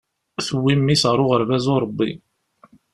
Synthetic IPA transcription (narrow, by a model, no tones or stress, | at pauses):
θəwːimːisʁɾˤoʁəɾvæzoɾˤəbːḭ